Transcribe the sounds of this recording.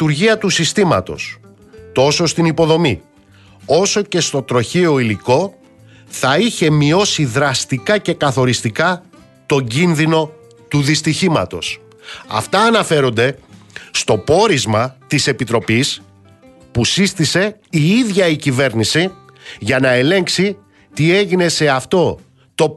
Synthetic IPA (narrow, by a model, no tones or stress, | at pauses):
t̪uɾʝiɐt̪usist̪imɐ̰t̪o̞̰s | t̪o̞so̞st̪inipo̞ðo̞mi | o̞so̞ce̞st̪o̞t̪ɾo̞çio̞iliko̞ | θɐiçe̞mio̞siðɾɐst̪ikɐce̞kɐθo̞ɾist̪ikɐ | t̪o̞ɲɟinðino̞ | t̪uðist̪içimɐ̰t̪o̞̰s | ɐ̰ft̪ɐːnɐfe̞ɾo̞nd̪e̞ | st̪o̞po̞ɾizmɐt̪ise̞pit̪ɾo̞pis | pusist̪ise̞iiðʝɐicive̞ɾnisi | ʝɐnɐe̞le̞ŋksi | t̪ie̞ʝine̞se̞ɐft̪o̞ | t̪o̞